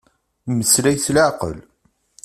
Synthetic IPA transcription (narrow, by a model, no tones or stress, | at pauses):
məslæjθlaʕqə̰l